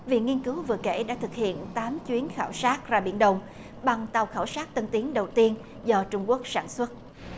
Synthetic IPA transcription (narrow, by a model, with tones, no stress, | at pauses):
vḭ˧˨˩ŋi˧ənkɨ˨˦wvɨ̰˧˨əkḛ˧˩ɗa̰ː˧˥t̪ʰɨ˨˩k̚hḭ˧˨ənt̪aː˨˦mt͡ɕwi˨˦ənxaː˧˩wsaː˦˥t̚zaː˧˩ɓi˧˩ənɗə˨˩wŋ͡m | ɓa˨˩ŋt̪a˨˩wxaː˧˩wsaː˦˥t̚t̪ə˧nt̪i˨˦ənɗə˨˩wt̪i˧ən | zɔ˧t͡ɕʊ˧ŋ͡mku˦˥ək̚sa̰ː˧˩nswə˦˥t̚